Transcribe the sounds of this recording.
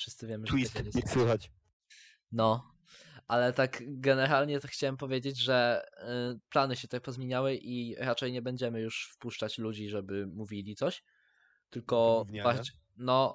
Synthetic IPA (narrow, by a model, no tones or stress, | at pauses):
fʂɘst̪sɘvʲjɛmɘʐt̪wiɛɲɛswɘxat͡ɕ | nɔ | ʔalɛt̪aɡɡɛnɛɾalɲɛt̪axt͡ɕawɛmpɔvʲjed͡ʑed͡ʑʐɛ | planɘɕɛt̪ɛk̚pɔzmʲeɲawɘʔiɾat͡ʂɛjɲɛbɛɲd͡ʑɛmɘjuʂfpuʂt͡ʂat͡ɕlud͡ʑiʐɛbɘmuvʲilʲit̪sɔɕ | t̪ɘlkɔva | nɔ